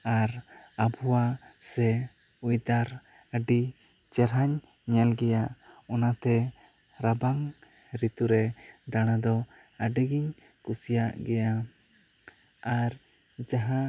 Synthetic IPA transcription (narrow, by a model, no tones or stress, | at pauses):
aɾabɔwasɛujd̪aɾəɖit͡ʃɛɾɦaɲɲɛlɡɛjaʔɔnat̪ɛɾabaŋɾit̪uɾɛd̪aɽ̃ad̪ɔəɖiɡiɲkusijaʔɡɛja | aɾd͡ʒaɦã